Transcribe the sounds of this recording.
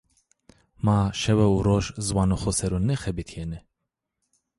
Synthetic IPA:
maːʃɛwɛuɾoːʒzwaːnoxosɛɾunɛxɛbit̪ʰjenɛ

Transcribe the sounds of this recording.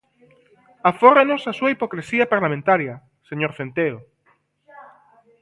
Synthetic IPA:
aforenosasuaipokɾesiapaɾlamẽnt̪aɾja | seɲoɾθẽnt̪eo

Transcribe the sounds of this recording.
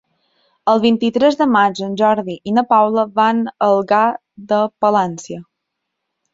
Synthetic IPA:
əlˠβint̪it̪ɾɛzðəmad͡ʒənʲʒɔɾðiʔinəpawləβanəlˠɣa | ðəpəlɛnsiə

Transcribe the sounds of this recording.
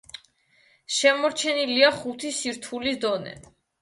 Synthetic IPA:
ʃɛmɔɾt͡ʃʰɛniliaχut̪ʰisiɾt̪ʰulisd̪ɔnɛ̰

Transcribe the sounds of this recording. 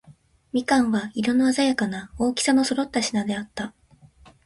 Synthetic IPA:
mʲikãɰ̃βaiɾo̞noazajakanao̞ːkʲi̥sano̞so̞ɾo̞t̪ːaɕinad̪e̞at̪ːa

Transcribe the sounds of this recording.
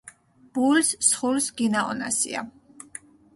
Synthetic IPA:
b̥ulssχulsɡinaɔ̰na̰sḭa̰

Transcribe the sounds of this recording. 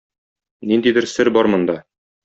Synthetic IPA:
nind̪id̪ɘɾsɘɾbɒɾmɤ̆nd̪ɑ

